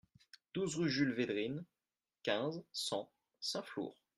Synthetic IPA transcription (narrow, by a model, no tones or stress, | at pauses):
d̪̥uzʁyʒylved̪ʁin | kʲɛ̃zsɑ̃ | sɛ̃flṵːʁ